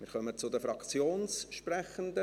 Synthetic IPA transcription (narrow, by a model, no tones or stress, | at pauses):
mɪːɾχœmət͡sʊd̪əfɾɑkt͡sjoːnsʃprɛχənd̪ə